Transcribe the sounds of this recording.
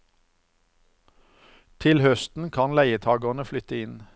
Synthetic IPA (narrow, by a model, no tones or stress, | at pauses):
t̪ʰɪlhœst̪n̩kʰɑnlæɪət̪ʰɑːɡɔnəflʏt̪əɪn